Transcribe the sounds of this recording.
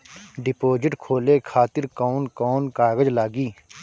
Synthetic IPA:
ɖɪpoːd͡ʒɪʈkʰoːleːkʰaːt̪ɪɾkɔːʊnkɔːnkaːɡəd͡ʒlaːɡiː

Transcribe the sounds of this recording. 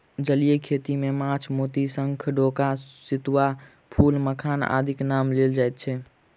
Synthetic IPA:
d͡ʒəlijekʰet̪imemãt͡ʃʰmot̪isə̃ŋkʰɖokasit̪wa | pʰulməkʰana̰d̪ʱiknamleld͡ʒajt̪̚t͡ʃʰɛ

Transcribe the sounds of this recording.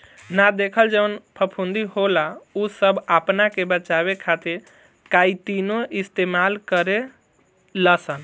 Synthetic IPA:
nad̪ekʰəld͡ʒeʋənpʰəpʰũnd̪iɦolausəbʱapnakebət͡ʃaβekʰat̪iɾ | kait̪inoist̪emalkəɾe | ləsən

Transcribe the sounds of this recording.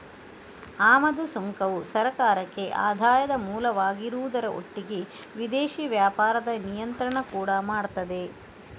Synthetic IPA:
aːmɐd̪usoŋkɐʋusɐɾɐkaːɾɐkːe̞ʔa̰ːd̪ʱaːjɐd̪ɐmuːlɐʋaːɡiɾuːd̪ɐɾɐʔo̰ʈːiɡe | ʋid̪eːʃiːʋjaːpaːɾɐd̪ɐnijɐnt̪ɾɐɳɐkuːɽɐmaːɽt̪ɐd̪e̞

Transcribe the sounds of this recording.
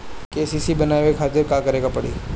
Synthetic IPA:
kesisibənaʋekʰat̪əɾkakəɾekapəɽḛː

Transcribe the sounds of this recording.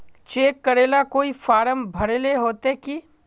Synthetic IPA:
t͡ʃeːkːəɾeːlakoːifaːɾəmbʱɐɾeleɦoːt̪eki

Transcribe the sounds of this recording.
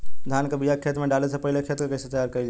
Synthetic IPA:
d̪ʱaːnkɐbʱijakʰːeːt̪mẽɖaːles̬epɐɦɪlekʰeːt̪kekɐɪset̪əjaːɾkɐid͡ʒ

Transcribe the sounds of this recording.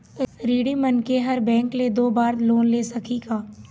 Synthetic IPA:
ɾiːɽimɐnkeɦɐɾbɛ̃ːŋkled̪oːbaːɾloːnleːsɐkʰiɡaː

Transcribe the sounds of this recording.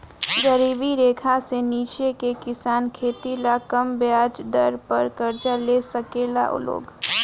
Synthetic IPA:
ɡəɾiːʋiɾeːkʰaseniːt͡ʃekekɪsaːnkʰeːt̪ilakɐmbjaːd͡ʒd̪ɐɾpɐɾkɐɾd͡ʒaleːsɐkeːla̰ʔʊ̰lo̰ːɡ

